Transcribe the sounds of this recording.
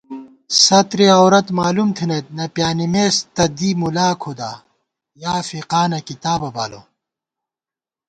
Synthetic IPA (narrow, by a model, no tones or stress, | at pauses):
sɐt̪ɾiɐwɾɐt̪maːlumt̪ʰinɐt̪̚nɐpjaːnimeːst̪ɐd̪imulaːkʰod̪a̰ː | jaːfiqaːnɐkit̪aːbɐba̰ːlo̰